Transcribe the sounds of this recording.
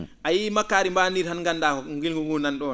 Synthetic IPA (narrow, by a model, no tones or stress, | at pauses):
ʔajimakːaːɾimbandiɾhanŋɡanːdaːkɔŋɡilŋɡuɡunanɗɔ